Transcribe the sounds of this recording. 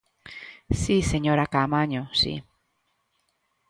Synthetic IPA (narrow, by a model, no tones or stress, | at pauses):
siseɲoɾakamaɲosḭ